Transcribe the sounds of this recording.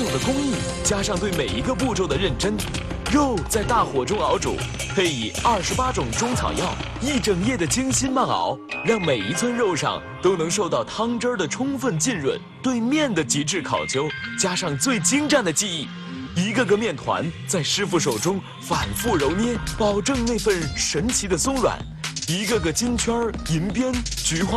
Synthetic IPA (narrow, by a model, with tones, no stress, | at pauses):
ʊ˥˧˩ŋd̪ə˩kʊ˥ŋi˥˩ | t͡ɕja˥ʂɑ˥˧ŋt̪we˥˩ɪme˨˩ɪi˧˥ɡə˧pu˥˧ʈ͡ʂo˥ʊd̪ə˩ɻə˥˩nʈ͡ʂə˥n | ɻo˥˧ʊt͡sa˥˧ɪt̪a˥˩xwɔ˨˩ʈ͡ʂʊ˥ŋɑ˧˥ʊʈ͡ʂṵ˨˩˦ | pʰe˥ɪi˨˩ɐ˞˥˩ʂɻ̩˧˥pa˥ʈ͡ʂʊ˨˩ŋʈ͡ʂʊ˥ŋt͡sʰɑ̰˨˩ʊjɑ˥˩ʊ | i˥˩ʈ͡ʂɤ˨˩ŋjɛ˥˩d̪ə˩t͡ɕi˥ŋɕi˥nma˥˩ɑ̰˧˥ʊɻɑ˥˩ŋme˨˩ɪi˧˥t͡sʰwə˥nɻo˥˧ʊʂɑ̰˥˧ŋ | t̪o˥ʊnɤ˧˥ŋʂo˥˧ʊt̪ɑ˥˩ʊt̪ʰɑ˥ŋʈ͡ʂə˥d̪ə˨ʈ͡ʂʰʊ˥ŋfə˥˧nt͡ɕi˥˧nɻwə̰˥˩nt̪we˥˧ɪmjɛ˥˩nd̪ə˩t͡ɕi˧˥ʈ͡ʂɻ̩˥˩kʰɑ̰˨˩ʊt͡ɕjo˥ʊt͡ɕja˥ʂɑ˥˧ŋt͡swe˥˩ɪt͡ɕi˥ŋʈ͡ʂa˥˩nd̪ə˩t͡ɕi˥˧i˥˩ | i˧˥ɡə˧ɡə˧mjɛ˥˩nt̪ʰwa̰˧˥nt͡sa˥˩ɪʂɻ̩˥fu˥˩ʂ̬o˨˩ʊʈ͡ʂʊ˥ŋ | fa̰˨˩nfu˥˩ɻo˧˥ʊnjɛ˥pɑ˨˩ʊʈ͡ʂɤ˥˧ŋne˥˧ɪfə˥˩nʂə˧˥nt͡ɕʰi˧˥d̪ə˧sʊ˥ŋɻwa̰˨˩˦n | i˧˥ɡə˧ɡə˩t͡ɕi˥nt͡ɕʰɥɐ˥i˧˥npjɛ˥nt͡ɕy˧˥xwa˥